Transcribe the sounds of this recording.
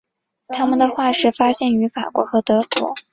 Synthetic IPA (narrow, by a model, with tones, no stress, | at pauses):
t̪ʰa˥mə˨nd̪ə˩xwa˥˧ʂɻ̩˥˩fa˥ɕjɛ˥˩ny˧˥fa˨˩kwɔ̰˧˥xɤ˧˥t̪ɤ˧˥kwɔ̰˧˥